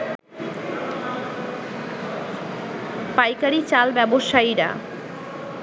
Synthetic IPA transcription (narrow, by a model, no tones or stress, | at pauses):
pajkaɾit͡ɕalbɛboʃaiɾa̰